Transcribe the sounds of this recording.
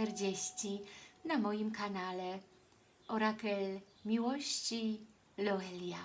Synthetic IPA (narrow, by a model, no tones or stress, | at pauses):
ɛɾd͡ʑeɕt͡ɕinamɔjimkanalɛ | ɔɾakɛl | mʲiwɔɕt͡ɕi | lɔɛlʲja